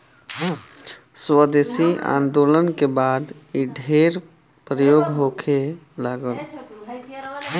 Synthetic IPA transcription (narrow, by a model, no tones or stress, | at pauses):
swəd̪esia̰ːnd̪olənkebaːd̪iɖʱeɾ | pɾəjoɡɦokʰe | laɡəl